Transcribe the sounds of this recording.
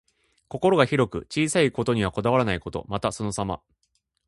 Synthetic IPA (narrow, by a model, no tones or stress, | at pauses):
ko̞ko̞ɾo̞ɡaçiɾo̞kɯ̟t͡ɕiːsaiko̞t̪o̞ɲ̟iβako̞d̪aβ̞aɾanaiko̞t̪o̞̰mat̪aso̞no̞sama̰